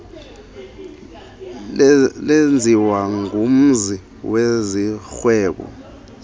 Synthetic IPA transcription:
lend͡zʱiwaŋɡum̩zi | wezixwɛːɓɔ̰

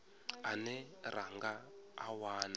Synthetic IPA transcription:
anɛrʔaŋɡaːwaːna

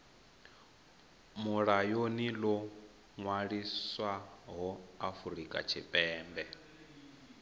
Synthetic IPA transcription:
muɺajonilɔ | ŋwaɺiswaɦɔafuɾikʼa̰t͡ʃʰipʼɛːmbɛ

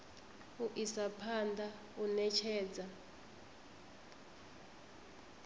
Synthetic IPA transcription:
uʔisapʰandʱa | unɛt͡ʃʰɛːd͡zʱa

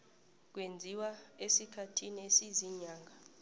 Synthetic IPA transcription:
k̬wend͡zʱiwaesikʰatʰinesiziɲaːŋʱa

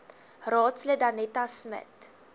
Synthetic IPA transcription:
rɑːtslədɐnɛtasmə̰t

